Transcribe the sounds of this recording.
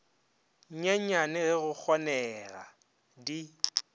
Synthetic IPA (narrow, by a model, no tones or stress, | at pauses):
ɲ̩ɲɛɲɲanɪɣɪɣʊk͡xʰɔnɛɣa̰ | di